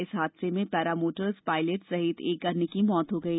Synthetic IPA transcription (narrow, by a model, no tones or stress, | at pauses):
ɪsɦaːd̪semẽpɛːɾaːmoːʈəɾzpaːɪleʈsɐɦɪt̪ʰeːk̚ɡɐɾnekimɔːt̪ɦoɡɐi